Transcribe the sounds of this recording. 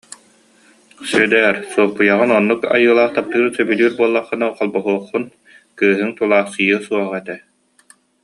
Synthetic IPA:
syd̪ɛːɾsuɔlˠpujaʁɯnɔnːuka̰jɯːlˠaːχt̪ap̚t̪ɯːɾsœbylʲyːɾbuɔlˠːaχːɯnaqɔlˠbɔɦuɔχːun | kɯːɦɯŋt̪ulˠaːχsɯjɯsuɔʁɛt̪ɛ

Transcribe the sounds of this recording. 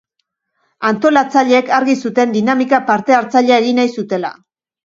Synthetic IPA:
ant̪o̞lat͡saʎe̞ːkaɾɣisut̪e̞nd̪inamikapaɾt̪e̞aɾt͡saʎeaeɣinajsut̪e̞la̰

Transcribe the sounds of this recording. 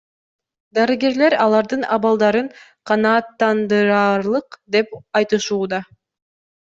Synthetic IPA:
d̪ɑɾɯɡe̞ɾle̞ɾɑlˠɑɾd̪ɯnʔɑβɑlˠd̪ɑɾɯɴqʰɑnɑːt̪ːɑnd̪ɯɾɑːɾlˠɯqd̪e̞pɑjt̪ɯʃuːd̪ɑ

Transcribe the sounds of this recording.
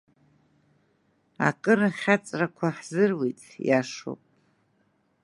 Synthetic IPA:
a̰kʼɨɾaχʲat͡sʼrakʷʰaħzɨrwitʼjaʂo̰pʼ

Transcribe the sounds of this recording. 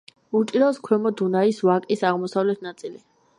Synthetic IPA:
uɾt̪ʼiɾaskʰwɛmɔd̪unaisvakʼisaʁmɔsavlɛt̪ʰnat̪sʼili

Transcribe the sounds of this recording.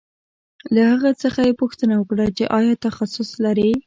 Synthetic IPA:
lahaɣat͡səxajepuxt̪ənawəkɽat͡ʃeʔɑjɑt̪axasʊslaɾi

